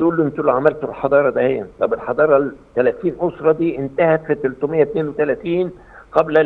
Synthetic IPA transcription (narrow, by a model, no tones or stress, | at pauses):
uːlːemt̪ulʕamælt̪olħɑd̪ˤɑːɾˤɑd̪æhejːæt̪ˤɑbelħɑd̪ˤɑːɾˤɑt̪ːælæt̪iːnʔosɾˤɑd̪iːʔɪnt̪æhæt̪fit̪elt̪omejːæt̪neːnwet̪ælæt̪iːn | qæblæ